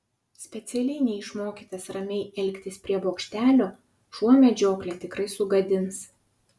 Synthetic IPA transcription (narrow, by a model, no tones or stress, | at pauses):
sʲpʲɛt̪sʲɛlʲɛɪnʲɛɪʃmoːkʲiːt̪ɐsɾɐmʲɛɪɛlʲkʲt̪ʲɪspʲɾʲiɛboːkʃʲt̪ʲæːlʲoː | ʃuɔmʲɛd͡ʒʲoːklʲeːt̪ʲɪkɾɐɪsʊɡɐd̪ʲɪns